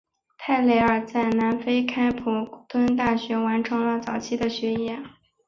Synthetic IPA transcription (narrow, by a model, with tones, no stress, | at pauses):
t̪ʰa˥˩ɪle˧˥ɪə˞˨˩t͡sa˥˩ɪna˧˥nfe˥ɪkʰa˥ɪpʰu˨˩t̪wə˥nt̪̬a˥˩ɕɥɛ˧˥wa˧˥nʈ͡ʂʰɤ˧˥ŋlə˧t͡sɑ˨˩ʊt͡ɕʰi˥˩d̪ə˨ɕɥɛ˧˥jɛ˥n